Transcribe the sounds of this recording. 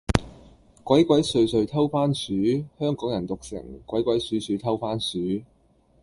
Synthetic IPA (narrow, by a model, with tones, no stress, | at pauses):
kwʷɐ˨˥jkʷɐ˨˥jsɵ˧ɥsɵ˧ɥt̪ʰɐ˥wfaː˥nsyː˨˥hœː˥ŋkɔː˨˥ŋjɐ˨˩nt̪ʊ˨k̚sɪ̰˨˩ŋkwɐ˨˥jkʷwɐ˨˥jsyː˨˥syː˨˧˥t̪ʰɐ˥wfaː˥nsyː˨˥